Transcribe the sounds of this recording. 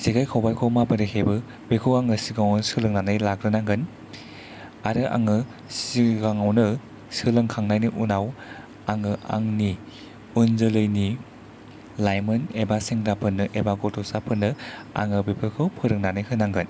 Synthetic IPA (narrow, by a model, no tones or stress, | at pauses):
siɡajkʰawbajkʰɔmabɯɾehebɯ | bekʰɯwaŋɯsiɡaŋawnsɯlɯŋnanɯjlakɾɯnaŋɡɯn | aɾɯʔa̰ŋɯ | siɡaŋawnɯ | sɯlɯŋkʰaŋnajniʔunaw | aŋɯʔa̰ŋni | unzɯlɯjni | lajmɯnebaseŋdapʰɯnːɯʔebaɡɔtʰɔsapʰɯnːɯa̰ŋɯbepʰɯkʰɯwpʰɯɾɯŋnanajkʰɯnaŋɡɯn